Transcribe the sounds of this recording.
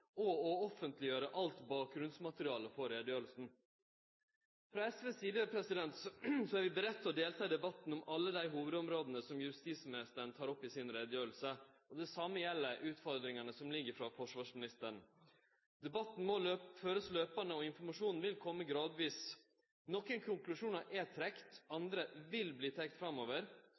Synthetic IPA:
ɔɔɔfənt̪lɪjøːɾəʔɑlt̪bɑːk̚ɡɾʉnsmɑt̪əɾɪɑːləfɔɾeːd̪jøːɾəlsn̩ | fɾɑɛsʋɛsiːd̪əpʰɾɛsɪd̪ɛnt̪ssɔæːɾʋɪbəɾɛt̪ʰːəɔd̪eːlt̪ʰɑːd̪ɛbɑt̪n̩ɔmɑlːəd̪æɪɦuːʋəd̪ɔmɾoːd̪n̩əsɔmjʉst̪iːt̪smɪnɪst̪əɳ̩t̪ʰɑːɾɔpːɪsɪnɾeːd̪jøːɾl̩səɔd̪ɛsɑmːəjɛlːəɾʔʉːt̪fɔɾd̪ɾɪŋɑnəsɔmlɪɡːəɾfɾɑfɔʂʋɑːʂmɪnɪst̪əɳ̩ | d̪̥ɛbɑt̪ːn̩mɔøføːɾəsløːpɑnəɔɪnfɔɾmɑʂuːnn̩ʋɪlkʰɔmːəɡɾɑːd̪ʋiːs | nɔkːənkʰʊŋklʉʂuːnɑʔɛt̪ʰɾɛkt̪ɑnd̪ɾəʋɪlbliːt̪ʰɛk̚t̪fɾɑmoːʋəɾ

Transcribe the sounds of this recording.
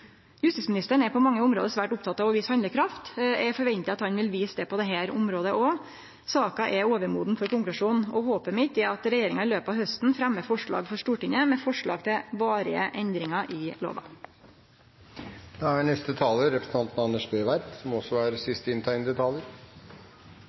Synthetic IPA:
jʉst̪ɪːsmɪnɪst̪əɳ̩ɛpʰɔmɑŋːəʊmɾoːd̪əsʋæːʈʊp̚t̪ʰɑt̪ːɑʋɔʋɪshɑnd̪əkʰɾɑft̪ɛfɔɾʋɛnt̪ɪɑt̪hɑnʋɪlʋiːsd̪ɛpɔd̪ɛɦæːɾʊmɾoːd̪əʔɔ | sɑːkɑʔɛoːʋəɾmuːd̪n̩fɔɾkʊŋklʉʂuːnɔhoːpəmɪt̪ːɛɑt̪ɾɛjeːɾɪŋɑɪløːpɑʋhœst̪n̩fɾæmːəfɔʂɭɑ̰ːɡfɔɾʂʈuːʈɪŋəmɛfɔʂɭɑ̰ːɡ̚t̪ʰɪlʋɑːɾɪə̰ʔɛnd̪ɾɪŋɑʔɪlo̰ːʋɑ̰ | d̪̥ɛæɳɛst̪ət̪ʰɑːləɾɛpɾəsn̩ɑnt̪n̩ɑnːəʂbœʏʋæɾd̪sɔmɔsɔæːɾsɪst̪əɪnt̪ʰɑɪnəd̪ət̪ʰɑːləɾ

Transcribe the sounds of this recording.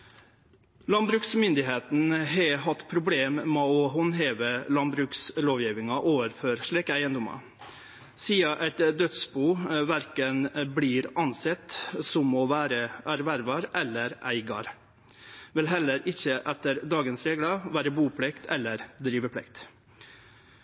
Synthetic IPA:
lɑnbɾʉksmʏnd̪ɪɦeːt̪n̩ɦɛɦɑt̪ːpʰɾʊbleːmmɛɔɦɔnɦeːʋəlɑnbɾʉksloːʋjiːʋɪŋɑʔoːʋəɾføːɾʂɭiːkəæɪənd̪ʊmɑ̰ | siːɑʔæɪt̪d̪œt̪sbuːʋæɾkənblɪːɾɑnsɛt̪ːsɔmɔʋæːɾəʔæɾʋæɾʋɑɾɛlːəɾæɪɡɑ̰ɾ | ʋɪlɦɛlːəɾʔɪçːəʔɛt̪ːəɾd̪ɑːɡənsɾeːɡlɑʋæːɾəbuːpʰlɛkt̪ʰɛlːəɾd̪ɾiːʋəpʰɽɛ̰kt̪

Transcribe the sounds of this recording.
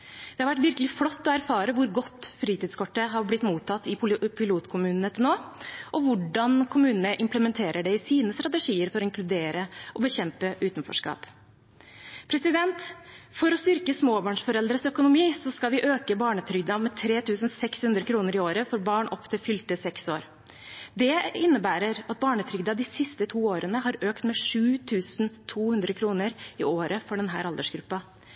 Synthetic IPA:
d̪ɛhɑɾʋæʈːʋɪɾkəlɪflɔt̪ːɔæɾfɑːɾəʋʊɾɡɔt̪ːfɾiːt̪ɪd̪skɔʈːəɦɑɾblɪt̪ːmuːt̪ʰːɑt̪ːɪpʰɪluːt̪kʰʊmʉːnnət̪ʰɪnoːʔɔʋʊɖɑnkʰʊmʉːnənəʔɪmpləmɛnt̪ʰeːɾʔəɖɛɪsiːnəst̪ɾɑt̪ɛʂiːəɾfɔɾɔɪŋklʉd̪eːɾəʔɔbəçɛmpəʔʉːt̪nfɔ̰ʂkɑ̰ːp | pʰɾɛsɪd̪ɛnt̪fɔɾɔst̪ʏɾkəsmoːbɑːɳʂfɔɾɛld̪ɾəsœkʊnʊmiːsɔskɑlʋɪʔøːkəbɑːɳət̪ʰɾʏɡ̚d̪ɑmɛt̪ʰɾeːt̪ʰʉːsən̩sɛkshʉnd̪ɾəkʰɾuːnəɾɪoːɾəfɔɾbɑːɳʔɔpːt̪ʰɪlfʏlt̪əsɛksoːɾ | d̪ɛɪnːəbæːɾəɾɑt̪̚bɑːɳət̪ʰɾʏɡd̪ɑd̪ɪsɪst̪ət̪ʰuːoːɾənəɦɑɾøːkt̪mɛʂʉːt̪ʰʉːsnt̪ʰuːhʉnd̪ɾəkʰɾuːnəɾɪoːɾəfɔɖɛnɦæ̰ːɾɑld̪əʂɡɾʉpːɑ

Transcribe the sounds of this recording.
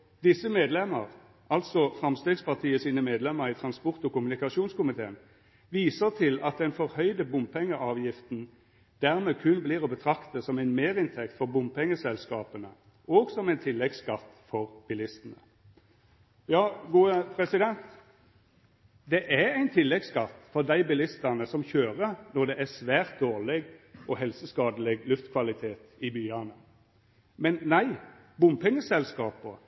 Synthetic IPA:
d̪ɪsəmeːd̪lɛmːə̰ʁ | ʔɑlt̪sɔfʁɑmst̪eːɡspɑʁt̪ʰiːəsiːnəmeːd̪lɛməʁiːt̪ʰʁɑnspʊʁt̪ɔkʊmʉnɪkɑʃuːnskʊmɪt̪ʰeːən | ʋiːsəʁt̪ʰɪlɑt̪̚d̪ɛnfɔʁhœʏd̪əbʊmpʰɛŋːəʔɑːʋjɪft̪n̩ | d̪̥æːʁmekʰʉnbliːʁɔbət̪ʰʁɑkt̪əsɔmæɪnmeːʁɪnt̪ʰɛk̚t̪fɔʁbʊmpɛŋːəsɛlskɑːpənə | oːɡsɔmæɪnt̪ʰɪlːɛɡskɑt̪ːfɔʁb̥ɪlɪst̪ənə | jɑːɡuːəpʰɾɛsɪd̪ɛnt̪ | d̪ɛʔæɾæɪnt̪ʰɪlːɛɡskɑt̪ːfɔʁd̪æɪbɪlɪst̪ɑnəsɔmçøːʁənɔʁd̪ɛʔæsʋæːʁt̪̚d̪oːʁlɪɡɔɦɛlsəskɑːd̪əlɪɡlʉft̪kʰʋɑlɪt̪ʰeːt̪ɪbyːɑnə | mɛnːæɪ | bʊmpʰɛŋːəsɛlskɑːpə

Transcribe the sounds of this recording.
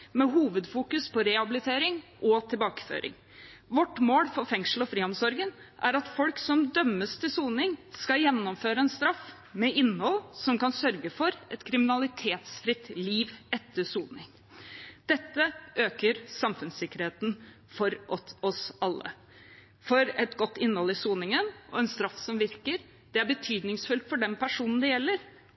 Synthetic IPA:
mɛɦuːʋəd̪fuːkʉspɔɾɛhɑbɪlɪt̪ʰeːɾɪŋʔɔt̪ʰɪlbɑːkə̥fø̰ːɾʔɪ̰ŋ | ʋɔʈmoːlfɔɾfɛŋsl̩ɔfɾiːɔmsɔɾɡənʔæɾɑt̪fɔlksɔmd̪œmːəst̪ʰɪlsuːnɪŋskɑjɛnːɔmføːɾəɛnst̪ɾɑf | mɛɪnːhɔlːsɔmkɑnsœɾɡəfɔɾʔɛt̪kʰɾɪmɪnɑlɪt̪ʰeːt̪sfɾɪt̪liːʋɛt̪ʰːəsuːnɪŋ | d̪̥ɛt̪ːəʔøːkəɾsɑmfʉnsɪkːəɾheːt̪n̩ | fɔɾʔɔɔsɑlːə̰ | fɔɾɛt̪ɡɔt̪ːɪnːhɔlːɪsuːnɪŋənʔɔɛnst̪ɾɑfːsɔmʋɪɾkəɾ | d̪̥ɛæɾbət̪ʰyːd̪nɪŋsfʉlt̪fɔɖɛmpʰæʂuːnn̩d̪ɛjɛlːəɾ

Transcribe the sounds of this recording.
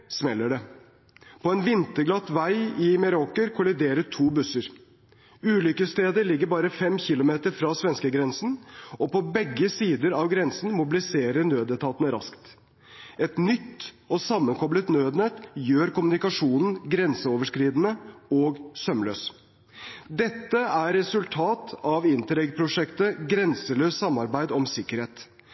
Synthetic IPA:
smɛlːəɖɛ | pʰɔɛnʋɪnt̪əɾɡlɑt̪ːʋæɪɪmɛɾokəɾkʰʊlɪd̪eːɾəʈʰuːbʉsəɾ | ʉːlʏkəst̪eːd̪əɭɪɡːəɾbɑːɾəfɛmçɪlʊmeːt̪əɾfɾɑːsʋɛnskəɡɾɛnsn̩ɔpɔbɛɡːəsiːd̪əɾɑʋɡɾɛnsn̩mʊbɪlɪseːɾəɾnøːd̪ət̪ʰɑːt̪ənəɾɑ̰skt̪ | ɛt̪nʏt̪ː | ɔsɑmːənkʰɔblət̪nøːd̪nɛt̪jøːɾkʊmʉnɪkɑʂuːnn̩ɡɾɛnsəoːʋəʂkɾiːd̪nəɔːɡsœmlø̰ːs | d̪ɛt̪ːəæɾːɛsʉlt̪ʰɑːt̪ɑʋɪnt̪əɾɛɡpʰɾʊʂɛkt̪əɡɾɛnsəløːssɑmːɑɾbæɪd̪ɔmsɪkːəɾheːt̪

